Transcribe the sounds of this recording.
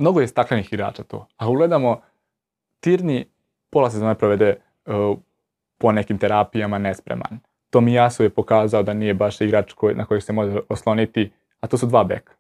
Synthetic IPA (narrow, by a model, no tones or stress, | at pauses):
mno̞ɡo̞jest̪aklˠenixiɡɾa̰ːt͡ʃat̪o̰ːauɡle̞d̪amo̞ | t̪iːɾni | polˠasezoːnepɾoʋe̞d̪e | po̞ne̞kimt̪eɾaːpijamanespɾḛma̰n | t̪oːmijasujepo̞kaːzaod̪anijebaʃiɡɾat͡ʃkojnʔako̞jekse̞mo̞ʒeoslˠo̞nit̪i | at̪osud̪ʋaːbḛkḁ